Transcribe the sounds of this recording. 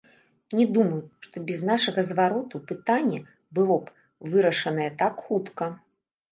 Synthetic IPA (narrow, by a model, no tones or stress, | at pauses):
nʲɛd̪umɐjuʂt̪ɔbʲɛznaʂɐɣɐzvaɾɔt̪upɨt̪anʲːɛ | bɨlˠɔp | vɨɾɐʂɐn̪ɐjɛt̪akxut̪kɐ